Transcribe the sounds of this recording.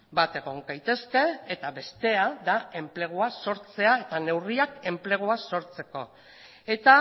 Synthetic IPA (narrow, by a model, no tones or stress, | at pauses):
bat̪e̞ɣ̞o̞ŋɡajt̪e̞ske̞ːt̪aβe̞st̪e̞ad̪ae̞mple̞ɣ̞oaso̞ɾt͡se̞ae̞t̪ane̞wriake̞mple̞ɣ̞oaso̞ɾt͡se̞ko̞ | e̞t̪a